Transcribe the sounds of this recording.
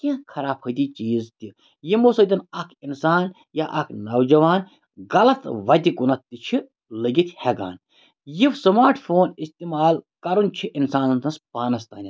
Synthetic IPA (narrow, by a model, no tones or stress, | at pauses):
kʲãkʰɐɾaːphɐd̪iːt͡ʃiːzt̪i | jimosɐd̪ʲɐnɐkʰinsaːn | jaʔɐkʰnɐwd͡ʒɐʋaːn | ɡɐlɐt̪ʋɐd̪ʲikunɐt̪ːit͡ʃʰi | ləɡit̪ʰʲhɛɡa̰ːn | jiʋsɐmaːɾʈʰfoːnist̪imaːlkɐɾunt͡ʃʰiʔinsaːnnt̪ɐnspaːnɐst̪aːnʲi